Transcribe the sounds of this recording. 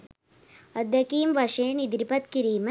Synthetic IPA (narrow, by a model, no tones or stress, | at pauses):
ɐd̪jɐkiːmʋɐʃeːnid̪ɾipɐt̪kiɾiːmɐ